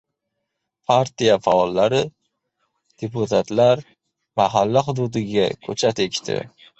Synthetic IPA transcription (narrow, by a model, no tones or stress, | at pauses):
pʰaɾt̪ijafaɒlːaɾɪ | d̪̥epʊt̪ʰat̪laɾ | maɦalːaɦʊd̪ʊd̪ɪɡʲakʲʰɵt͡ʃʰat̪ekʲt̪ʰɪ̰